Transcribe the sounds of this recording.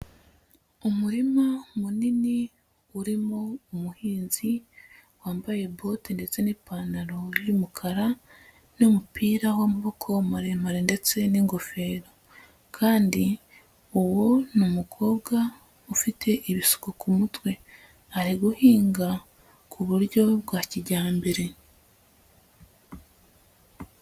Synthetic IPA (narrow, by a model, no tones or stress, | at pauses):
umuɾimamunini | uɾimo̞umuhiːnzi | waːmbaje̞bo̞tinde̞t͡se̞niːpaːnaɾo̞ɾjumukʰaɾa | nomupʰiːɾawamuβo̞kʰo̞maɾemaɾende̞t͡se̞niŋɡo̞fe̞ːɾo̞ | kʰaːndi | uwo̞numukʰo̞ːβɡa | ufitʰe̞ʔiβisu̥kokʰumutwe̞ | aɾiɡuhiːŋɡa | kʰuβuɾɟo̞bɡwaciɟaːmbeɾe̞